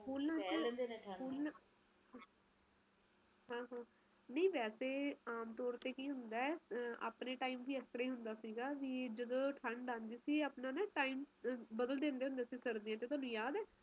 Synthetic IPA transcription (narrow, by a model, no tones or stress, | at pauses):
pʰuːlnãːapʰuːlna | a | ɦãːɦãː | nəĩːʋɛːseːaːmt̪ɔːɾt̪eːkiːɦʊnd̪aːɛʔa̰ːpneːʈaːiːmʋiːɛːst̪ɾaːiːɦʊnd̪aːsiːɡaːʋiːd͡ʒəd̪õːʈʰəɳɖãːnd̪iːsiːaːpnãːneːʈaːiːmbəd̪əld̪ẽːnd̪eːɦʊ̃nd̪eːsiːsəɾd̪iːãːt͡ʃət̪ʊaːnũːjaːd̪ɛː